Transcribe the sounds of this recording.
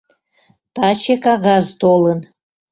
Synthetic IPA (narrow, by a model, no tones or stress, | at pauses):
t̪ɑt͡ɕekɑɣɑzt̪olən